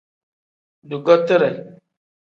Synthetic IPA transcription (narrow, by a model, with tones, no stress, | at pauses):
du˨ɡɔ˦tə˦ɾɛ˨